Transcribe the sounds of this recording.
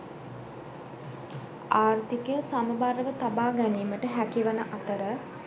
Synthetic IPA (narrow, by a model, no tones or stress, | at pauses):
aːrt̪ikəjəsaməbaɾəʋət̪abaːɡæniːməʈəɦækiʋənəʔat̪əɾə